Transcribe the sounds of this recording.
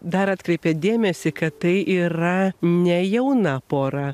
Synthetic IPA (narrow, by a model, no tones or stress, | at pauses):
d̪ɐɾɐːt̪kɾʲɛɪpʲɛːd̪ʲeːmʲɛsʲɪkɐt̪t̪ɐɪʔiːɾɐnʲɛjɛʊnɐpoːɾɐ